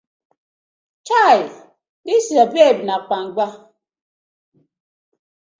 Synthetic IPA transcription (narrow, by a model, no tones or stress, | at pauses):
t͡ʃaj | disiabeb̚nak͡paŋ̩ɡ͡ba